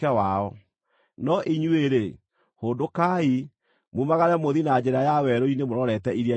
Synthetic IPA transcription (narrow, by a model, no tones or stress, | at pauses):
ɛwaɔ | nɔʔiɲueɾe | hondokai | mumaɣaɾɛmoðinad͡ʑeɾajawɛɾoinemoɾɔɾɛtɛiɾia